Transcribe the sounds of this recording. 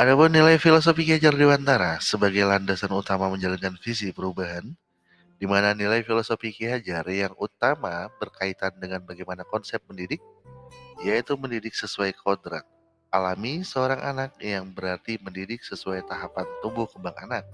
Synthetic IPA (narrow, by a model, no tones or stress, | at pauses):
ʔadapʊnːilajfilos̬ofikiad͡ʒardiwant̪aɾasəbaɡajlandasanut̪amaməɲd͡ʒaliŋkanfisipəɾubaɦan | dimananilajfilosofikiad͡ʒarjaŋut̪amabərkait̪andəŋanbaɡajmanakɔnsɛp̚məndidɪk̚ | ijait̪uməndidɪksəsuajkʰodɾa̰k̚ | alamisəoɾaŋʔa̰nak̚jaŋbəɾart̪iməndidɪk̚səsuajt̪aɦapant̪umbʊhkəmbaŋa̰nak̚